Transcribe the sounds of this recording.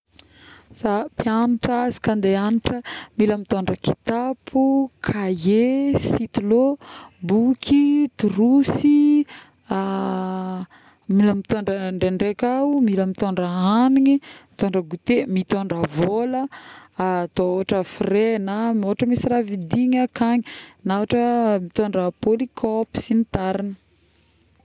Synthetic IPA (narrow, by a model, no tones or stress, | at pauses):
sapjanaʈ͡ʂazi̥kand̪eanʈ͡ʂəmiləmit̪oɳɖ͡ʐəki̥t̪apʰukʰajesit̪ilobukʰit̪uɾusi | a | miləmit̪oɳɖ͡ʐəɳɖ͡ʐeɳɖ͡ʐekamiləmit̪oɳɖ͡ʐəaaniɲimit̪oɳɖ͡ʐəɡut̪emit̪oɳɖ͡ʐəvolə | t̪ooaʈ͡ʂəfirenamoaʈ͡ʂəmisiravid̪iɲakaɲinaaʈ͡ʂəmit̪oɳɖ͡ʐəpolikʰopi̥sinit̪aɾinə̥